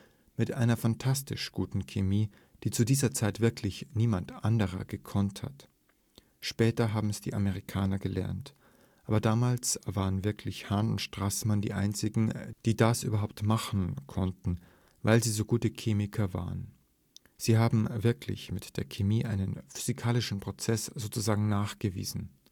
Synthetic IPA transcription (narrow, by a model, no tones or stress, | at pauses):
mɪtʔa̰ɪnɐfantʰastɪ̰ʃɡ̥uːtn̩kʰemiː | d̥iːt͡sudiːzɐt͡saɪtv̥ɪɐkʰlɪçniːmantʔandəʁ̞ɐ̰ɡ̥əkʰɔntha̰t | ʃpɛːtɐɦaːbm̩ɛsd̥ḭːʔaməʁ̞ikʰaːnɐɡəlɛ̰ɐnt | ʔaːbɐdaːmaːlsv̥aːʁənvɪɐkʰlɪçhaːnʊntʃtʁ̥asmandḭːʔa̰ɪnt͡sɪɡŋ̩d̥iːdasʔyːbɐɦaʊp̚tmaχn̩kʰɔntn̩ | vaɪlziːzoːɡuːtəkʰeːmɪkʰɐva̰ːʁən | z̥iːɦaːbm̩vɪɐkʰlɪ̰çmɪtd̥eːɐkʰemiːʔaɪnənfyzikʰaːlɪʃn̩pʁ̥ot͡sɛsz̥oːt͡suzaːɡŋ̩naːχɡ̥əvḭːzn̩